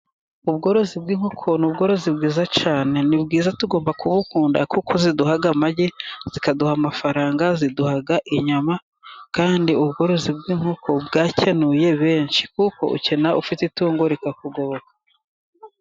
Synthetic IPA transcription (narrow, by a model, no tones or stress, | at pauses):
uβɡo̞ːɾo̞zib̚ɡiːŋ̥hukʰo̞nubɡo̞ɾo̞zibɡiːzat͡ʃaːne̞nibɡiːzatuɡo̞ːmbakuβukuːnda̰kukʰoziduhaɡamaɟez̥ikaduhamafaɾaːŋɡaziduhaɡaʔiɲama | kaːndiuβɡo̞ɾo̞zib̚ɡiːŋhukʰo̞bɡaːcenuje̞βe̞ːnʃi̥kuko̞̰ʔṵce̞naʔufitetuːŋɡoɾikakuɡo̞βokḁ